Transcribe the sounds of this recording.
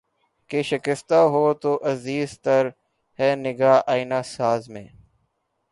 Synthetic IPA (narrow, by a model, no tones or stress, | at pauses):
keːʃɪkɪst̪aːɦoːt̪oːʔəziːzt̪əɾ | hɛːnɪɡaːʔaːinaːsaːzmḛ̃ː